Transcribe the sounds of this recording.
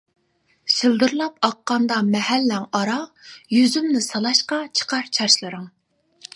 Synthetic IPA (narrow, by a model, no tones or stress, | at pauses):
sɪld̪ɨɾlˠɑp̚ɑqːɑnd̪ɑmɛhælːæŋɑɾɑjyzymnɪsɑlˠɑʃqɑt͡ʃʰə̥qʰɑɾt͡ʃʰɑɾʃlˠɨɾɨŋ